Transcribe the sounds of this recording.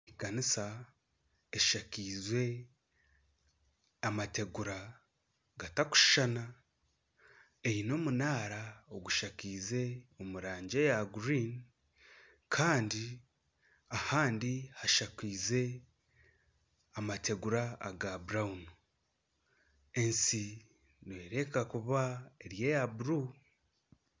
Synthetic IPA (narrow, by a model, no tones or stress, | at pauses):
ɡanisa | eʃakiːzwe̞ | amate̞ɡuɾa | ɡataku̥ʃi̥ʃana | e̞ino̞munaːɾaoɡuʃakiːze̞o̞muɾaːɲɟe̞jaɡuɾin | kʰaːndi | ahaːndihaʃakiːze̞ | amate̞ɡuɾaːɡabuɾaunu | e̞nsi | nwe̞ːɾe̞kakuβaeɾje̞jabuɾu